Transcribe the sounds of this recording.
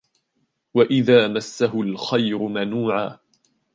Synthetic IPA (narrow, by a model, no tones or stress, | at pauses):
waʔɪðaːmasːaɦʊlxajɾʊmanuːʕaː